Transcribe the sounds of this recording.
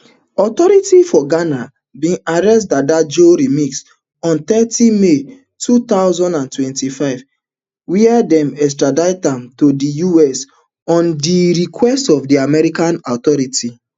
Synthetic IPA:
ɔtɔɾitifɔɡana | bĩnaɹɛstdadad͡ʒoɾimiks | ɔ̃ntɛtĩme | tʰut̪aʊzɔ̃ndãntwɛ̃ntifaɪv | wiɛdɛ̃mɛs̬tɹadaɪtãmtodijuɛs | ɔ̃ndiɹikʰwɛstɔfdiamɛɾikãnɔtɔɾiti

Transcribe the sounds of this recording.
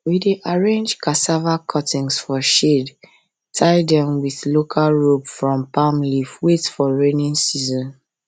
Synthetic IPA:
wideʔaɹẽnd͡ʒkasavakʰɔtĩŋsfɔʃed | tʰaɪdɛ̃mwiðlokʰalɹobfɹɔ̃mpãmlifwetfɔɹẽnĩnsizɔ̃n

